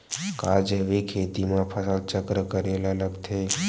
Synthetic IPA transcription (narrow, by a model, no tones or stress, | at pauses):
kad͡ʒeʋekʰet̪imãpʰəsalt͡ʃəkɾəkəɾelaləɡt̪ʰe